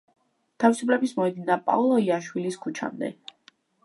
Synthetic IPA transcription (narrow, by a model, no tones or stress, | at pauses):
t̪ʰavisupʰlɛbismɔɛd̪inapʼa̰ulˠɔiaʃwiliskʰut͡ʃʰa̰md̪ɛ̰